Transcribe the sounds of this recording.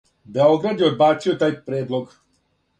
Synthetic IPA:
beo̞ɡɾad̪jeod̪baːt̪sijot̪aːjpɾeːd̪lˠoɡ

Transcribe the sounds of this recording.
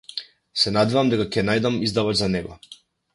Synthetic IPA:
sɛnad̪ɛvamd̪aɡakʲɛnajd̪amizd̪avat͡ʃzanɛɡɔ

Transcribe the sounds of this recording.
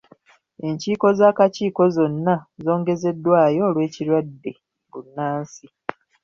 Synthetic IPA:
e̞ɲciːko̞zaːkaciːko̞zo̞nːazo̞ːŋɡe̞ze̞dːwaːjo̞ːlwe̞ːciɾwadːe̞ | ɡunːaːnsi

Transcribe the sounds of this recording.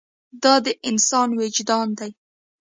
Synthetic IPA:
d̪ɑd̪əʔɪnsɑnwed͡ʒd̪ɑnd̪aj

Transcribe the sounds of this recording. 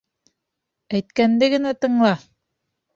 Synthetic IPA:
æjt̪kænd̪ɘɡɘ̆næt̪ɤ̆ɴlˠɑ

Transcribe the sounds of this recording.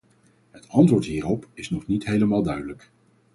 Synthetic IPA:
ɦətɑntʋʊːɹtɦiːɾɔpɪsnɔχnitɦejləmaːlˠdœɥdələk

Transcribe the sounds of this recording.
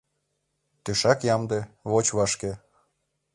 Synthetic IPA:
t̪yʃɑkjɑmd̪ĕβot͡ɕβɑʃke

